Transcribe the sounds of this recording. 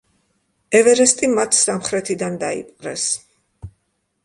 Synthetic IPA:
ɛvɛɾɛst̪ʼimat̪ʰsamχɾɛt̪ʰid̪and̪aḭpʼqʼɾɛ̰s

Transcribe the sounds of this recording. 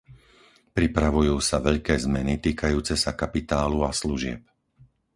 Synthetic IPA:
pɾipɾaʋujuːsaʋɛʎkɛːzmɛnit̪iːkajuːt͡sɛsakapit̪aːluasluʒɪɛ̰p̚

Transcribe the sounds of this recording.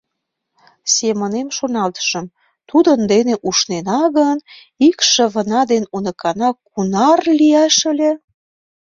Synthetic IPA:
semə̆nemʃonɑlt̪ə̥ʃə̆m | t̪ud̪ənd̪eneʔuʃnenɑɣən | ikʃə̆βə̆nɑd̪enunɤ̆kɑnɑkunɑrliæʃə̆lʲe

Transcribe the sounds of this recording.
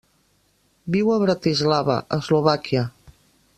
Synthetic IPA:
biwəβɾat̪izlaβə̰ʔəzluβakiə

